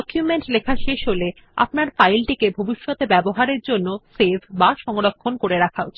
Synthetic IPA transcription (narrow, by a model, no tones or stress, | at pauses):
ɔkjumeɳʈlekʰaʃeʃɦole | a̰pnaɾfajlʈikebʱobiʃːot̪ebɛboɦaɾeɾd͡ʑonːosebʱbaʃɔŋoɾokʰːonkoɾeɾakʰaot͡ɕʰ